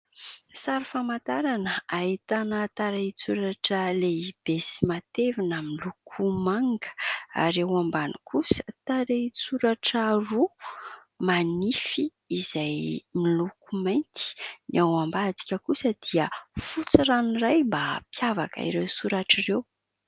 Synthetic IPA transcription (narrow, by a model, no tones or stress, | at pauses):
saɾifamat̪aɾanəaɦit̪anət̪aɾet͡suɾaʈ͡ʂəleib̥esimat̪evinamilukʰumaŋɡə̥a̰ɾewambanikusə̥t̪aɾet͡suɾaʈ͡ʂəru | manifiː | zajmilukumajnt̪i̥niawambad̪i̥kʲəkusəd̪̥iəfut͡siranirajmbapjava̰ka̰ḭɾewsuɾaʈ͡ʂirew